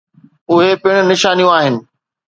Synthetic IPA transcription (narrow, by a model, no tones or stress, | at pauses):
ʊɦepɪɽ̃ʊ̆nɪʃaːnijũaːɦɪnɪ̆